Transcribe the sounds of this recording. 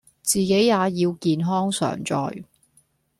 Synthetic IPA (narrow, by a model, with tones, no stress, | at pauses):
t͡siː˨ke˨˥jːaː˨˧jiː˧wkiː˨˧nɦɔː˥ŋsœ̰ː˨˩ŋt͡sɔ̰ː˨j